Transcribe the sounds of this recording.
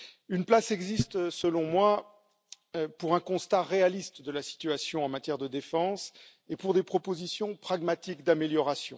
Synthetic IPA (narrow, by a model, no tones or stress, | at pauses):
ynplasɛɡzist̪səlɔ̃mwa | puʁɛ̃kɔ̃st̪aʁealist̪d̪əlasi̥t̪ɥasjɔ̃ɑ̃mat̪jɛʁd̪əd̪efɑ̃s | epuʁd̪epχɔpozisjɔ̃pχaɡmat̪ikd̪ameljɔʁasjɔ̃